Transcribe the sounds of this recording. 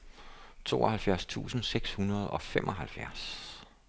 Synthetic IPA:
t͡sʰo̝̰ːɒhælfjæɐst͡sʰṵːsn̩seɡ̥shunɐð̞̩ˠɒ̽fem̰ʔɒ̽ɦælfjæɐ̰s

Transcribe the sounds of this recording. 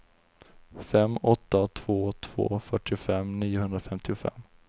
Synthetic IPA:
fɛmːɔt̪ːat̪ʰv̥oːt̪ʰv̥o̰ːfœʈːɪʊfɛmniːʊhɦɵnd̪ɾafɛmt̪ɪʊfɛ̰mː

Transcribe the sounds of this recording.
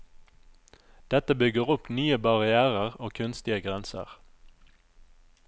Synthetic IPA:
d̪̥ɛt̪əbʏɡəʁʊpnyːəbɑʁɪæːʁəʁoːkʰʉnst̪ɪəɡʁɛnsə̰ʁ

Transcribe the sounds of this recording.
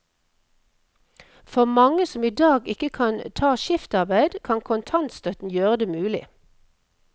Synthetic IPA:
fɔʁmɑŋəsɔmiːd̪ɑːɡɪkəkʰɑnt̪ʰɑːʃɪft̪ɑʁbæɪd̪kʰɑnkʰʊnt̪ʰɑnt̪st̪œt̪n̩jøːʁəd̪eːmʉːlɪ̰

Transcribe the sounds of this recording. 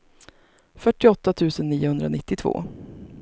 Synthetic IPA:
fœʈːɪɔt̪ːat̪ʰʉ̟ːsənːiːʊhɵnd̪ɾa̰nɪt̪ːɪt̪ʰvo̰ː

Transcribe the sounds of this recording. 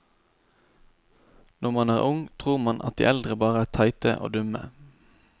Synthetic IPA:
nʔɔʁmɑnæːʁʔʊŋt̪ʰʁuːʁmɑnʔɑ̰t̪̚d̪ḭːʔɛld̪ʁəbɑːʁəæːt̪ʰɑɪt̪əʔo̰ːd̪ʉmə̰

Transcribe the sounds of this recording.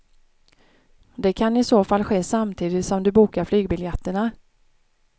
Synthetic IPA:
d̪ɛkʰanɪsoːfalːɧeːsamt̪ʰiːd̪ɪt̪sɔmd̪ɵbuːkaɾflyːɡbɪljɛt̪ːəɳa

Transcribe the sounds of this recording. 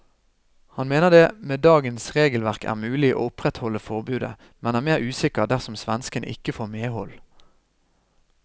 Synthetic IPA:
hɑnmeːnəʁd̪eːmeːd̪ɑːɡənsʁeːɡəlʋæʁkʰæ̰ːʁmʉːlɪʔo̰ːʊpʁɛt̪hɔlːəfɔʁbʉːd̪ə̰ | mɛnæːʁmeːʁʉːsɪkəʁd̪æʁsɔmsʋænskənʔɪ̰kəfoːʁmeːhɔl

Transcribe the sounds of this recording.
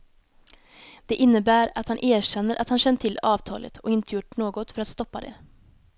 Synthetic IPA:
d̪̥ɛʔɪnːəbæːɾat̪hanʔeːɕɛnːəɾʔat̪hanɕɛnt̪ʰɪlːɑːvt̪ʰɑ̰ːlʔə̰t̪ʰɔɪnt̪əjʊʈɳoːɡɔt̪fœɾat̪st̪ɔpːad̪ɛ̰

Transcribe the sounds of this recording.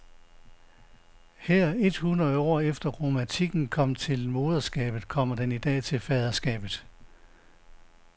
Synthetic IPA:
heɐ̰e̝d̥hunɐðˠɒ̰ːefd̥ɐʁo̝mæt͡sʰiɡ̥n̩kʰɒ̽m̰t͡sʰe̝lmo̝ːð̞ˠɐsɡ̥ɛ̰ːb̥ð̩ˠkʰɒ̽m̰ɐd̥enid̥ɛ̰ːt͡sʰe̝lfɛːð̞ˠɐsɡ̥ɛ̰ːb̥ð̩ˠ

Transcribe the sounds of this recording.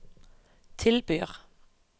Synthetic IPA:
t̪ʰɪlbyːʁ

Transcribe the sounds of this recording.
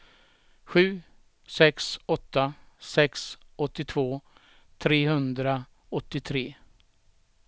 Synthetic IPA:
ɧʉ̟ː | sɛksɔt̪ːasɛksɔt̪ːɪt̪ʰvoː | t̪ʰɾeːɦɵnd̪ɾa | ɔt̪ːɪt̪ʰɾeː

